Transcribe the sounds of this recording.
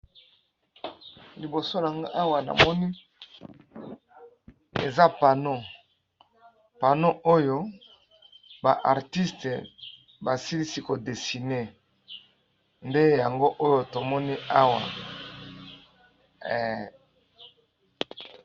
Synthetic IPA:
li˨bo˨so˦la˨ŋɡa˦ʔa˦wa˨na̰˨mɔ˦ni˦ | ḛ˨za˦pa˨no˦ | pa˨no˦ʔo˦jo˦ | ba˨ʔa˨ʁti˦ste˨ | ba˨si˦li˦si˦ko˨de˨si˨ne˦ | nde˦ja˨ŋɡo˦ʔo˦jo˦to˨mɔ˦ni˦a˦wa̰˨

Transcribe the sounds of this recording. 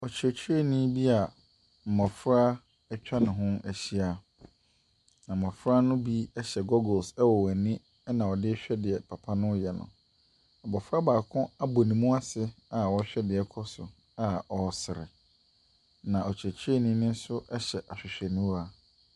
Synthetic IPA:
ɔ˨t͡ɕʰᶣɛ˨t͡ɕʰi˦e˦˨nĩ˦bi˦a˨ | m̩˨mɔ˨fɾa˦ | ɛ˦t͡ɕᶣa˦nɪ̃˨ɦʊ̃˦æ˨ɕi˦a˦ | nã˨m̩˨ɔ˨fɾa˦nʊ̃˦bi˦ɛ˦ɕɛ˨ɡɔ˦ɡɔ˨sɛ˦wɔ˨wɔ˨nɪ̃˦ | nã˨ɔ˨dɪ˦ɕᶣɛ˦dɪ˨ɛ˨pʰa˨pʰa˦nʊ̃˦jɛ˨nʊ̰̃˨ | ɔ˨bɔ˨fɾa˦baː˨kʰʊ̃˦a˦bo˨nĩ˨mũ˦a˦sɪ˦a˨wɔ˨˦ɕᶣɛ˦dɪ˨ɛ˨kʰɔ˦sʊ˨ | a˦ɔ˨sɪ˨ɾɪ̰˨ | nã˨ʔɔ˨t͡ɕʰᶣæ˨t͡ɕʰᶣe˦˨nĩ˦nɪ̃˦n˦sʊ˦ʔɛ˦ɕɛ˨ʔa˨ɕᶣɪ˨ɕᶣɛ˨nũ˦wa˦

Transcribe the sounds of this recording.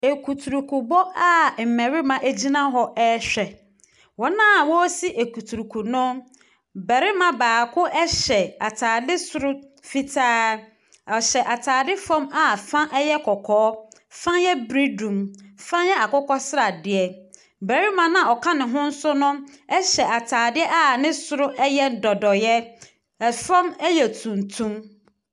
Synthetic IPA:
e˨kʰu˨tʰu˨ɾu˨kʰu˨bɔ˦a˦m̩˨mɛ̃˨ɾɪ˦mã˨ʔæ˦d͡ʑi˦nã˦ɦɔ˦ʔɛ˦ɕᶣɛ˨ | wɔ˨nã˦˨wɔ˦si˦ʔe˨ku˨tʰu˨ɾu˨kʰu˨nʊ̃˦ | bɛ˨ɾɪ˦mã˨baː˨kʰʊ˦ʔɛ˦ɕɛ˨a˨tʰaː˨dɪ˦sʊ˨ɾʊ˦ | fi˦tʰaː˦ | ɔ˨ɕɛ˨ʔa˨tʰaː˨dɪ˦fɔ̃˦ma˨fã˦ʔɛ˦jɛ˦kʰɔ˨kʰɔː˨˦ | fã˦jɛ˦bɾi˦dũ˨mfã˦jɛ˦a˨kʊ˦kɔ˦sɪ˦ɾa˨dɪ˨ɛ˦ | bɛ˨ɾi˦mã˨nã˨ɔ˨kʰã˦nɪ̃˨ɦʊ̃˦n̩˦sʊ˦nʊ̃˦ɛ˦ɕɛ˨ʔa˨tʰaː˨dɪ˦ɛ˦ʔa˦˨nɪ̃˦sʊ˨ɾʊ˦ʔɛ˦jɛ˦n̩˨dɔ˨dɔ˨jɛ˦ | ɛ˨fã˦mɛ˦jɛ˨tʰũ˨n˨tʰũ˦m

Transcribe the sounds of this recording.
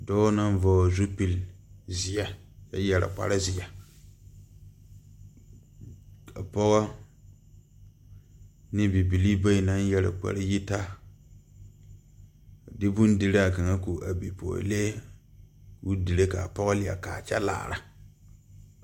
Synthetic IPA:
dɔː˦na˦n˦vɔː˨zu˦pi˨lzɪ˨ɛ˨jɛ˦jɛ˨ɾa̰˨k͡pa̰˨ɾa˦zɪ˨ɛ˨ | a˨pɔ˦ɣɔ˦ | nɪ˦bi˨bi˨li˦ba˦i˨na˦n˦jɛ˨ɾa̰˨k͡pa̰˨ɾa˦ji˦ta˦ | a˨dɪ˦bu˦n˦di˨ɾa˦a˨ka˨ŋa˦ku˨ʔa˨bi˨pʰo̰˨le˦ | wu˦di˨ɾe˦ka˨pɔ˦ɣɔ˦lɪ˨a̰˨kaː˨t͡ʃɛ̰˦la̰ː˨ɾa˨

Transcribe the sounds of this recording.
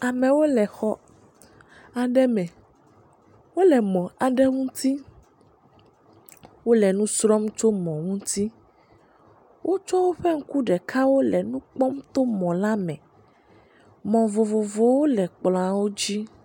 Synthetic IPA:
a˨mɛ̃˨wo˦lɛ˨xɔ˦ | a˨ɖɛ˦mɛ̃˨ | wo˦lɛ˨mɔ̃˨a˨ɖɛ˦ŋũ˦t̪ʰi˦ | wo˦lɛ˨nũ˦sɾɔ˦mt͡ʃo˦mɔ̃˨ŋũ˦t̪i˦ | wʔo˦t͡ʃɔ˦wo˦ɸɛ˦ŋ̩˦ku˦ɖɛ˨kʰa˦wo˦lɛ˨nũ˦k͡pɔ˦mt̪o˦mɔ̃˨la˦mɛ̃˨ | mɔ̃˨vo˨vo˨vo˨wo˦lɛ˨k͡plɔ̃˨a˨wo˦d͡ʑi˦

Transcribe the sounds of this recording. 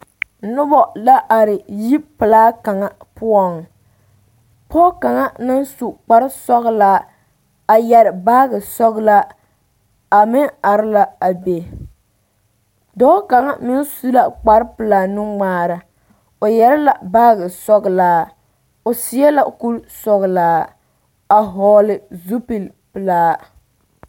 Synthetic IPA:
nʊ˦bɔ˦la˦ʔa˨ɾɪ˨ji˦pɨ˨laː˦ka˨ŋa˦pʊ˦ɔ˨ŋ | pɔ˦ka˨ŋa˦nɨ˦nsu˨k͡pa˦ɾɪ˦sɔ˦ɣlaː˦ | a˨jɛ˨ɾɪ˨baː˦ɡɨ˨sɔ˦ɣla˦ | a˨mɪ˦a˨ɾɪ˦la˦a˨be˨ | dɔː˦ka˨ŋa˦mɪ˦nsu˦la˨k͡pa˦ɾpɨ˨laː˨nɨ˦ŋ͡maː˦ɾa˨ | o˨jɛ˦ɾɪ˦la˨baː˦ɣɨ˨sɔ˦ɡɨ˨laː˦ | o˨sɪ˨˦ɛ˦la˨ku˦lsɔ˦ɣɨ˨laː˦ | a˨ɦɔː˨˦lɪ˨zu˦pi˨l | pɨ˨laː˦

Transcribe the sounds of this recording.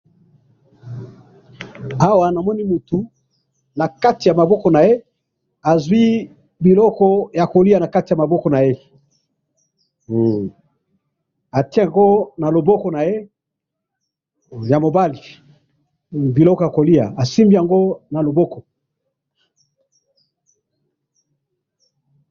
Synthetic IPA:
a˦wa˨na˨mɔ˦ni˦mu˨tu˨ | na˨ka˦ti˨ja˨ma˨bɔ˦kɔ˨na˨je˦ | a˨zwi˦ | bi˨lɔ˦kɔ˦ja˨ko˨li˦a˨na˨ka˦ti˨a˨ma˨bɔ˦kɔ˨na˨je˦ | a˨ti˦e˦a˨ŋɡo˦na˨lo˨bɔ˦kɔ˨na˨je˦ | ja˨mo˨ba˦li˨ | bi˨lɔ˦kɔ˨ja˨ko˨li˦a˨a˨si˦mbi˦ja˨ŋɡo˦na˨lo˨bɔ˦kɔ˨

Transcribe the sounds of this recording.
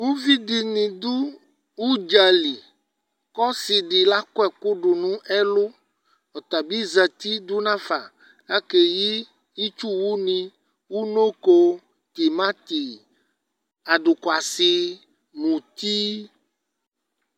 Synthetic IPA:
wu˦vi˦ɖi˨nĩ˨d̪u˦ | wu˦d͡ʒa˨li˨ | kɔ˦si˨ɖi˨la˦ko˦ɛ˨ko˦ɖu˨nũ˦ʔɛ˦lo˦ | ɔ˨t̪a˨bi˦za˨t̪i˦d̪u˦nã˦fa˨ | a˦ke˨ji˦ | i˦t͡ʃu˦wu˦nĩ˦ | wu˦no˦ko˦ | t̪i˨mã˦t̪i˨ | a˨ɖu˨ka˨si˨ | mũ˨t̪i˦

